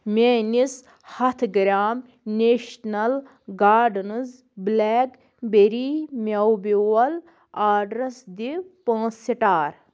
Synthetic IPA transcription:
mʲenis | hɐt̪ʰɡɾʲaːm | nʲeːʃnɐl | ɡaːɾɖnɨz | blɛːk | beɾiːmʲɐwbiwɐl | aːɖɾɐsd̪ipãːsiʈaːɾ

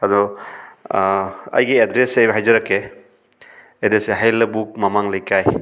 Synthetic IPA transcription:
adɔ | ɐ̰jɡiedɾesajbɐɦajzɐɾakːe | dɾeseɦajlɐbuk̚mamaŋlɐjkʰaj

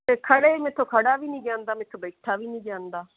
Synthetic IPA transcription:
t̪eːkʰəɽeːmẽt̪ʰːõːkʰəɽaːʋiːnĩːɡjãːnd̪aːmẽːt̪ʰːõːbəɪʈʰaːʋiːnĩːɡjãːnd̪aː

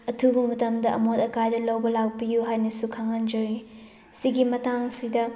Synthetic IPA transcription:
ɐtʰubɐmɐtɐmdɐʔɐ̰motɐkajdɐlɐwbɐlawpijuɦajnɐsukʰaŋɐnd͡ʒɐɾi | siɡimɐtaŋsidɐ

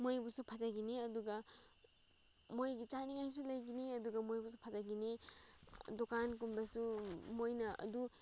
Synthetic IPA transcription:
mojbusupʰɐd͡ʒaɡiniɐduɡɐ | mojɡit͡ʃaniŋajs̬ulɐjɡiniɐduɡɐmojbus̬upʰɐzaɡini | dokank̬umbɐsumojnɐɐ̰du

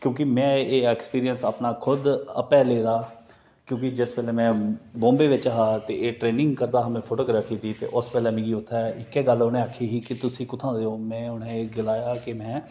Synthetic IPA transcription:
kjõːkɪmɛ̃ːeːɛːkspiːɾiənsaːpnaːkʰʊd̪ə̰pɛːleːd̪aː | kjõːkɪd͡ʒɪspɛːlɛːmɛ̃ːbõːmbeːʋɪt͡ʃəɦaːt̪eːeːʈɾeːnɪ̃ŋɡkəɾd̪aːɦəmẽːpʰoːʈoːɡɾaːpʰiːd̪iːt̪ḛːʔʊspɛːlɛːmɪ̃ːɡiːʊt̪ʰːaʔɪkːeːɡəlʊnẽːaːkʰːiːɦiːkɪt̪ʊsĩːkʊt̪ʰãːd̪eːoːmɛ̃ːʊnẽːɡɪlaːjaːkɪmɛ̃ː

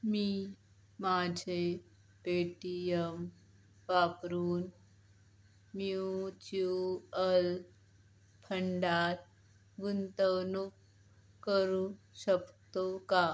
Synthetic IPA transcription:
miː | mad͡ʑʱe | peʈijəm | ʋapɾuːn | mjut͡ɕuəl | pʰəɳɖat̪̚ | ɡunt̪əwnuk | kəɾũɕəkt̪oka

